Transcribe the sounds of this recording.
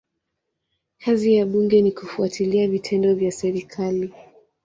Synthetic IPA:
kʰazijaɓuŋɡɛnikufuatiliavitʰɛndɔvjasɛɾikʰali

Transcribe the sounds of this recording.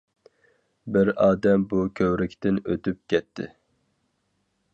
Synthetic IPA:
bɪɾɑːd̪ɛmbukʲʰøwɾɪkʲt̪ɪnøt̪yp̚kʲʰɛt̪ʰːɪ̰

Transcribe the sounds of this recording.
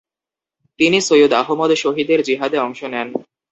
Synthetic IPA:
t̪inisojud̪aɦomod̪ʃoɦid̪eɾd͡ʑiɦad̪eɔŋʃonɛn

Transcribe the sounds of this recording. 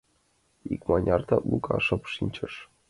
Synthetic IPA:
ikmɑnʲɑrt̪ɑlˠukɑ̰ʂɤ̆pʂinʲt͡ɕə̆ʃ

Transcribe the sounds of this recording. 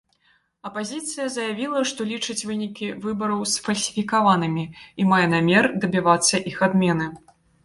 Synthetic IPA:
ɐpazʲit̪sɨjɐzɐjavʲilˠɐʂt̪ɔlʲit͡ʂɨt͡sʲvɨnʲikʲivɨbɐɾɐwsfɐlʲsʲi̥fʲikavanɨmʲiimajɛnamʲɛrd̪ɐbʲivat̪sːɐʔixad̪mʲɛnɨ

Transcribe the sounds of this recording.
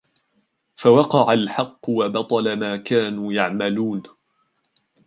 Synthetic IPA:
fawɑqɑʕalħɑqːwɑbɑt̪ˤɑlamaːkaːnuːjaʕmaluːn

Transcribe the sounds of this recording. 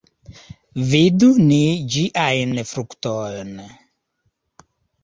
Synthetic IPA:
vid̪unid͡ʒiʔajnəfɾukt̪ɔn

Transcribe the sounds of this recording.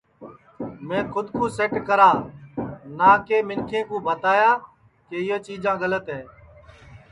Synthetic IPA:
mẽːkʰʊd̪kũːseʈkəɾaː | naːkeːmɪnkʰẽːkũːbət̪aːjaː | keːɪjəːt͡ʃiːd͡ʒãːɡələt̪ɦeː

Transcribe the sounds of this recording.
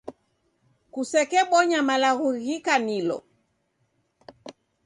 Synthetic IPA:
kusɛkɛɓɔɲamalaɣuɣikanilɔ̰

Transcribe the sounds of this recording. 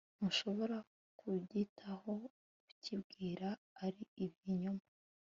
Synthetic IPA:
muʃo̞βo̞ɾa | kʰuɟitʰaho̞ | ku̥cibɡiːɾaː | ɾiiβjiɲuma

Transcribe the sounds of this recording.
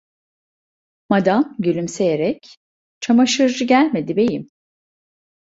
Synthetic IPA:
mad̪amɟylʲymse̞jeɾɛc | t͡ʃʰamaʃɯɾd͡ʒɯɟælʲme̞d̪ibe̞jim

